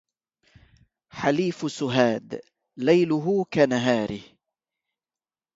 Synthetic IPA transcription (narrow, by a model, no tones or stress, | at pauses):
ħaliːfsʊɦaːd̪ | lajlʊɦʊkanaɦaːɾɪh